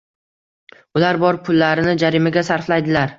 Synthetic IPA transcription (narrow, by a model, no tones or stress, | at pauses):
ʊlaɾbɒɾpʰʊlːaɾɪnɪd͡ʒaɾɪmaɡʲasaɾflajd̪ɪlaɾ